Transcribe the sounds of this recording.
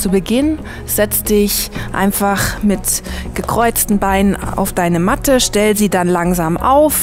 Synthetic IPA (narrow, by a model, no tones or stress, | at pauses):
t͡subəɡɪn | z̥ɛt͡sd̥ɪçʔa̰ɪnfaχmɪtɡ̥əkʁ̥ɔʏt͡stn̩baɪnəna̰ʊfd̥aɪnəmatəʃtɛlziːdanlaŋzaːmʔa̰ʊf